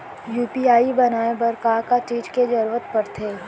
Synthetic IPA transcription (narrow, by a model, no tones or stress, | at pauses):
juːpiaːibɐnaːebɐɾkaːkat͡ʃiːd͡ʒked͡ʒɐɾuʋət̪pɐɾt̪ʰeː